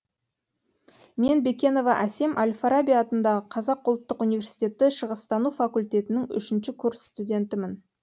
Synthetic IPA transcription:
me̞nbe̞kʲe̞no̞vɑʔæse̞mʔalʲfaɾabʲijaːt̪ənd̪ɑʁəqʰɑzɑqʊlˠt̪ːəqunijvʲe̞rsijt̪ʲe̞t̪ːɪʃəʁəst̪ɑnufakulʲt̪ʲe̞t̪ɪnɪŋʏ̰ʃɪnʃɪkʲʰʊɾsst̪ud̪ʲe̞nt̪ɪmɪn

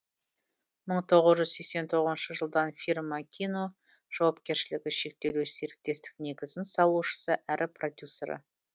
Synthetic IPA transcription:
məɴt̪ʰo̞ʁəzʒʏzse̞kse̞nt̪ʰo̞ʁəzənʃəʒəlˠd̪ɑnfʲirmɑkʲʰino̞ | ʒ̥ɑwɑp̚kʲe̞ɾʃɪlɪɡʲɪʃe̞k̚t̪e̞lese̞ɾɪk̚t̪e̞st̪ɪ̥k̚ne̞ɡʲɪzɪnsɑlˠuʃə̥səʔæɾʔɪpro̞d̪ʲjuseɾə̰

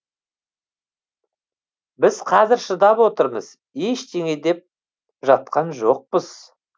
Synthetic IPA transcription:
bɪz̥qʰɑzɪɾʃəd̪ɑpwo̞t̪əɾmə̰z̥ | eʃt̪eŋe̞d̪e̞p̚ | ʒɑt̪̚qɑnʒo̞q̚pəz̥

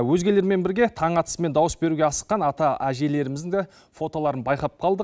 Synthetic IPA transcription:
wɵzɡʲe̞le̞ɾme̞nbɪɾɡʲe̞t̪ʰɑɴɑt̪ə̥sme̞nd̪ɑwəsbe̞ɾuɡʲe̞ɑsə̥qːɑnɑt̪ɑæʒe̞le̞ɾɪmɪzd̪ɪŋd̪e | fo̞t̪o̞lˠɑɾənbɑjqɑp̚qʰɑlˠd̪ə

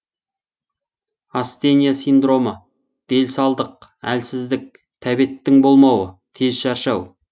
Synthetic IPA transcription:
ast̪e̞nijasijnd̪ɾo̞mə | d̪̥e̞lsɑlˠd̪əq̚æ̰lsɪzd̪ɪk̚ | t̪ʰæbet̪ːɪŋbo̞lˠmɑwət̪ʰe̞zʃɑɾʃɑw

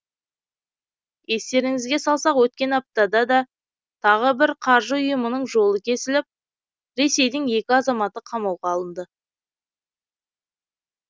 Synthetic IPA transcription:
e̞st̪e̞ɾɪŋɪzɡʲe̞sɑlˠsɑqwɵt̪̚kʲe̞nɑp̚t̪ɑd̪ɑd̪ɑ | t̪ʰɑʁəbɪɾqʰɑɾʒəʊjəmənəɴʒo̞lˠəkʲʰe̞sɪlɪp̚ | ɾe̞se̞jd̪ɪŋje̞kʲɪɑzɑmɑt̪əqʰɑmɑwʁɑːlˠənd̪ə

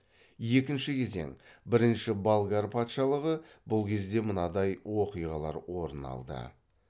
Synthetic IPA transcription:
je̞kʲɪnʃɪkʲʰe̞ze̞̰ŋbɪɾɪnʃɪbalˠɡaɾpʰɑt̪ʃɑlˠəʁəbʊlˠkʲʰe̞zd̪e̞mənɑd̪ɑjwo̞qijʁɑlˠɑ̰ɾwo̞ɾənɑ̰lˠd̪ə̰

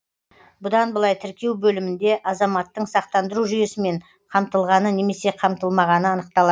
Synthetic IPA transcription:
bʊd̪ɑnbəlˠɑjt̪ʰɪɾkʲe̞wbɵlɪmɪnd̪e̞ʔɑzɑmɑt̪ːəɴsɑqt̪ɑnd̪əɾuʒʏje̞sɪme̞ɴ | qʰɑmt̪əlˠʁɑnəne̞me̞se̞qʰɑmt̪əlˠmɑʁɑnəɑnəq̚t̪ɑlˠɑ

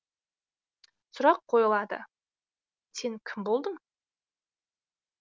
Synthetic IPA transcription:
sʊɾɑqʰːo̞jəlˠɑd̪ə̰ | se̞ŋkʲʰɪmbo̞lˠd̪əɴ

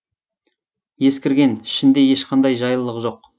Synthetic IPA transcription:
je̞skʲɪɾɡʲe̞nɪʃɪnd̪e̞je̞ʃqʰɑnd̪ɑjʒɑjəlˠːəqʒo̞q

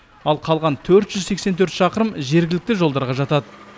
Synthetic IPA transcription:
ɑlˠqʰɑlˠʁɑnt̪ʰɵɾt̪ʒ̥ʏzse̞kse̞nt̪ʰɵɾt̪ʃɑqəɾəmʒe̞ɾɡʲɪlɪk̚t̪ɪʒo̞lˠd̪ɑɾʁɑʒɑt̪ɑd̪ə

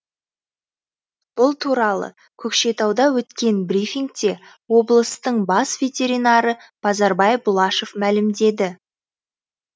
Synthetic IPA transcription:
b̥ʊlˠt̪ʰuɾɑlˠə̰ | kʲʰɵkʃe̞t̪ɑwd̪ɑwɵt̪kʲe̞nbrʲifʲiŋɡ̚t̪e̞ | wo̞blˠəst̪əɴbɑsvʲe̞t̪ʲe̞ɾijnɑɾəb̥ɑzɑɾbɑjbʊlˠɑʃo̞fmælɪmd̪e̞d̪ɪ

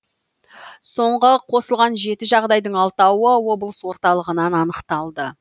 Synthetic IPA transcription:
so̞ɴʁəqʰo̞səlˠʁɑnʒe̞t̪ɪʒɑʁd̪ɑjd̪əɴɑlˠt̪ɑwəwo̞bəlˠəswo̞ɾt̪ɑlˠəʁənɑnɑnəqt̪ɑlˠd̪ə

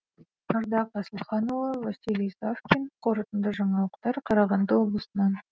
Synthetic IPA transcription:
məɾd̪ɑqʰɑsəlˠχɑnolˠəvasʲilijsafkʲinqʰo̞ɾət̪ənd̪əʒɑɴɑlˠəqt̪ɑɾqʰɑɾɑʁɑnd̪əwo̞blˠəsənɑn

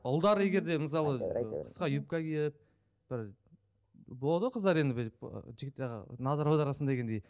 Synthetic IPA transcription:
ʊlˠd̪ɑɾəje̞ɡʲe̞ɾd̪e̞məs̬ɑlˠəqʰə̥sqɑjup̚kʲɑkʲejɪp̚ | b̥ɪɾ | bolˠd̪əqʰəzd̪ɑɾe̞nd̪ɪbɪ̰ʒɪɡʲɪt̪ːeʁ̰nɑzɑɾɑwd̪ɑɾɑsnd̪ɑd̪eɡʲend̪ej

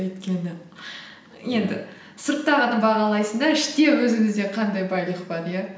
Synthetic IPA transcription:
ejt̪kʲe̞nɪ | je̞nd̪ɪ̰ | səɾt̪ːɑʁənəbɑʁɑlˠɑjsəɴd̪ɑɪʃt̪e̞wɵzɪŋɪzd̪e̞qʰɑnd̪ɑjbɑjlˠiχbɑd̪əjɑ

